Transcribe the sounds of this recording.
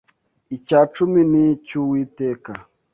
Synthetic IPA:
it͡ʃat͡ʃuminit͡ʃuwiteka

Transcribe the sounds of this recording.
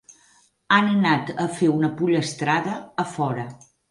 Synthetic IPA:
anənat̪əfeunəpuʎəst̪ɾaðəːfɔɾə

